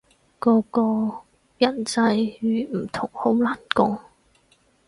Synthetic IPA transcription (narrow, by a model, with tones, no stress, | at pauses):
kɔː˨˧˥kɔː˧ | jɐ˨˩nt͡sɐ˧jɥyː˨˧m̩˨˩t̪ʰʊ˨˩ŋho˨˥wlaː˨˩nkʊ˧ŋ